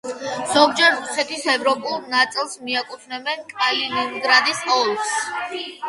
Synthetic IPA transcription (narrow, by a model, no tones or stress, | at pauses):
z̥ɔɡd͡ʒɛɾusɛt̪ʰisɛvɾɔpʼulˠnat̪sʼilˠsmiakʼut̪ʰnɛbɛnkʼmaliniŋɡɾad̪isɔlˠs